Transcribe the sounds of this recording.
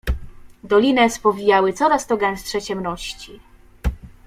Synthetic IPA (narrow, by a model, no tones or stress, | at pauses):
d̪ɔlʲinɛspɔvʲijawɘt̪sɔɾast̪ɔɡɛ̃nstʂɛt͡ɕɛmnɔɕt͡ɕi